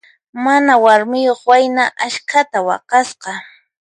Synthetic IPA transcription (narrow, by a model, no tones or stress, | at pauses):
manawaɾmɪjoχwajnaʔaʃkʰat̪awɑ̰qɑsqɑ